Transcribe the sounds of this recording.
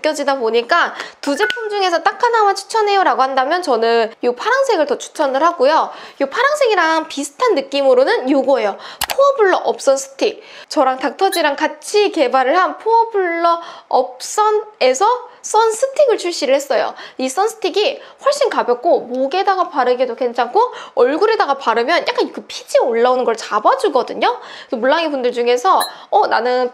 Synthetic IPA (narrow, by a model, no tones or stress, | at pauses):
ɯk͈jʌd͡ʑidapoɲik͈atud͡ʑe̞pʰumd͡ʑuŋe̞sʰʌt͈akʰanawat͡ɕʰu̥t͡ɕʰʌne̞joɾaɡohandamjʌnt͡ɕʌnɯnjupʰaɾaŋsʰe̞ɡɯɭtʌt͡ɕʰu̥t͡ɕʰʌnɯɭɦaɡujojpʰaɾaŋsʰe̞ɡiɾaŋpisʰɯ̥tʰanːɯk͈imɯɾonɯnjuɡoejopʰoʌbuɭːʌʔʌp̚s͈ʌnsʰɯ̥tʰik̚t͡ɕʌɾaŋtak̚tʰʌd͡ʑiɾaŋkat͡ɕʰike̞baɾɯɭɦanpʰoʌbuɭːʌʌp̚s͈ʌne̞sʰʌs͈ʌnsʰɯtʰiɡɯɭt͡ɕʰuɭɕ͈iɾɯɭhe̞s͈ʌjo̰is͈ʌnsʰɯ̥tʰiɡiɸwʌɭɕ͈inkabjʌk͈omoɡe̞daɡapaɾɯɡidoke̞nt͡ɕʰaŋkʰoʌɭɡuɾe̞daɡapaɾɯmjʌnjak͈ankɯpʰid͡ʑioɭːaonɯnɡʌɭt͡ɕabad͡ʑuɡʌdɯɲo | kɯmuɭːaŋibundɯɭd͡ʑuŋe̞sʰʌʌnanɯn